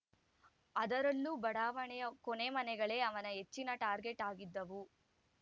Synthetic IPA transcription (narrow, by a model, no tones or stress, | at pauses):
ɐd̪ɐɾɐlːubɐɽaːʋɐɳɛjɐkoneːmɐnɛɡɐɭe̞ːɐʋɐnɐɦe̞t͡ʃːinɐʈaːɾɡeʈaːɡid̪ːɐʋu